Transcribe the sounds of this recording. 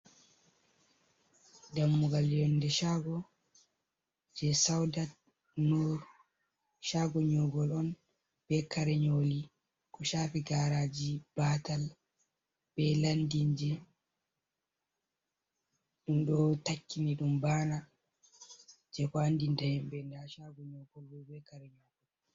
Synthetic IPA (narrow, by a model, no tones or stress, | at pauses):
damːuɡalɔndɛʃaɡɔ | d͡ʒɛsawdat̚ | nuɾ | ʃaɡɔɲɔɡɔlɔn | b̥ɛkaɾɛɲoːli | kɔʃaːfiɡaːɾad͡ʒib̥aːtal | b̥ɛlandiɲd͡ʒɛ | ɗumɗɔtakːiniɗumbaːna | d͡ʒɛkɔandindahɛmbɛndaʃaɡɔɲɔɡɔlwɔbɛkaɾɛɲɔɡɔl